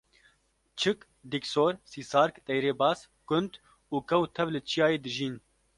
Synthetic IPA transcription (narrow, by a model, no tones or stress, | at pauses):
t͡ʃʰɨk | d̪iksoːɾsiːsaːɾkt̪ɛjɾeːbɑːs | kʊnd̪ | uːkɛwt̪ʰɛvlɨt͡ʃʰijaːjeːd̪ɨʒiːn